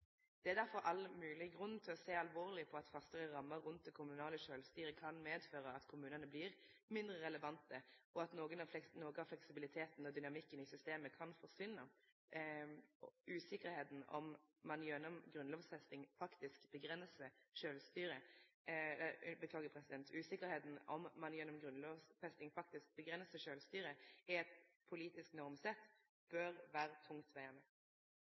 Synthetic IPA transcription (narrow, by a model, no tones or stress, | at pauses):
d̪̥ɛæʁd̪æɾfɔɾʔɑlmʉːlɪɡʁʉnn̩t̪ʰɪlɔseːɑlʋoːʁlɪpʰɔɑt̪fɑst̪əʁəɾɑmːəɾʉnt̪̚d̪ɛkʰʊmʉnɑːləʃøːlst̪yːɾəkʰɑnmeːd̪føːɾəɑt̪kʰʊmʉːnənəblɪʁ | mɪnd̪ɾəʁɛləʋɑnt̪əʔɔɑt̪noːɡənɑnoːɡəɑflɛksɪbɪlɪt̪ʰeːt̪n̩ɔd̪ʏnɑmɪkːənɪsʏst̪eːməkʰɑnfɔʂʋɪnːə | ʉːsɪkəɾheːt̪n̩ɔ̰mːɑnjɛnːɔmɡɾʉnloːʋsfɛst̪ɪŋfɑkt̪ɪskbəɡɾɛnsəʂøːlst̪yːɾə | ɛləbət̪ʰɑːɡəpʰɾɛsɪd̪ɛnt̪ʰʉːsɪkəɾheːt̪n̩ɔmːɑnjɛnːɔmɡɾʉnloːʋsfɛst̪ɪŋfɑk̚t̪ɪsk̚bəɡʁɛnsəʂøːlst̪yːɾəɛɛt̪pʰʊliːt̪ɪsknɔʁmsɛt̪ː | b̥œɾʋæːɾət̪ʰʊŋt̪ʰʋæɪɑʁnə